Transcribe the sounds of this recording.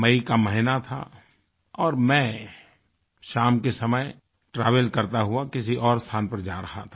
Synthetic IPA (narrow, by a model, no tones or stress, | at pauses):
mɐikamɛɦɪnat̪ʰa̰ | ɔːɾmɛ̃ | ʃaːmkesɐməj | ʈɾaːʋəlkɐɾt̪aɦʊakɪsiʔɔːɾst̪ʰaːnpɐɾd͡ʒaːɾɐɦa̰t̪ʰḁ